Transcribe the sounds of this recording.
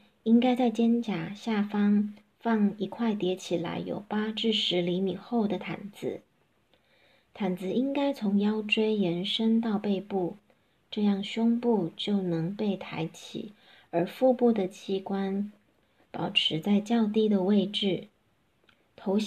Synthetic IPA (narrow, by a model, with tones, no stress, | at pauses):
i˥ŋka˥ɪt͡sa˥˩ɪt͡ɕjɛ˥nt͡ɕja˨˩ɕja˥˩fɑ˥ŋ | fɑ˥˩ŋi˧˥kʰwa˥˩ɪt̪jɛ˧˥t͡ɕʰi˨˩la̰˧˥ɪjo̰˨˩ʊpa˥ʈ͡ʂɻ̩˥˩ʂɻ̩˧˥li˧˥mi˨˩xo˥˩ʊd̪ə˩t̪ʰa̰˨˩nd͡zɹ̩˧˦ | t̪ʰa˨˩nd͡zɹ̩˧i˥ŋka˥ɪt͡sʰʊ˧˥ŋjɑ˥ʊʈ͡ʂwe˥ɪjɛ˧˥nʂə˥ŋt̪ɑ˥˧ʊpe˥˧ɪpu˥˩ | ʈ͡ʂɤ˥˧jɑ˥˩ŋɕʊ˥ŋpu˥˧t͡ɕjo˥˩ʊnɤ˧˥ŋpe˥˩ɪt̪ʰa˧˥ɪt͡ɕʰḭ˨˩˦ | ə˧˥fu˥˧pu˥˩d̪ə˩t͡ɕʰi˥kwa˥n | pɑ˨˩ʊʈ͡ʂʰɻ̩˧˥t͡sa˥˧ɪt͡ɕjɑ˥˧ʊt̪i˥˩d̪ə˨we˥˧ɪʈ͡ʂɻ̩˥˩ | t̪ʰo˧˥ʊ